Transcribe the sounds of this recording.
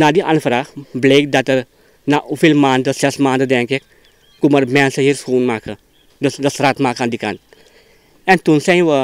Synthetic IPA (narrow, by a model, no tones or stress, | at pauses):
nadiʔa̰nfɾaxbleːk̚d̪at̪əɾ | naʔufilmaːnd̪əsɛsmaːnd̪əd̪ɛŋkɪk | kuməɾmɛnsəɦiːɾskuːnmakə | dəsdəsɾat̪maːkand̪ika̰n | ɛnt̪unsɛjʋə